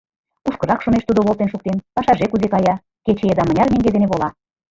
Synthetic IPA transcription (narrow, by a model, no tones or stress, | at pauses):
uʃkɤ̆rɑkʃomeʃt̪ud̪oβolˠt̪enʃuk̚t̪enpɑʃɑʒekuzekɑjɑ | ket͡ɕeed̪ɑmə̆nʲɑrmeŋɡed̪eneβolɑ